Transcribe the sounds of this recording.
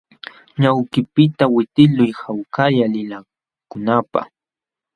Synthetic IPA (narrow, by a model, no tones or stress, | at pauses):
ɲawkɪpɪt̪awɪt̪ɪlʊjhawkaʎalɪla | kʊnapa̰h